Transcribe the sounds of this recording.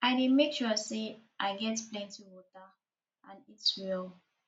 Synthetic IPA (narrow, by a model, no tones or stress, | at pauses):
aɪdemekʃuseʔaɪɡɛtplɛ̃ntiwɔta | ãnitwɛl